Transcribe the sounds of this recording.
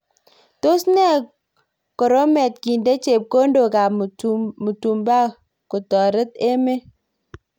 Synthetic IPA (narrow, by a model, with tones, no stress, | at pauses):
to˦sne˦˨ | kɔ˨ɾo˦me˨t̚ki˨nde˦t͡ʃe˨p̚ko˦ndo˨ka˨m˨mu˨tu˨mba˦ | ku˨tɔ˨ɾe˦te˦me˦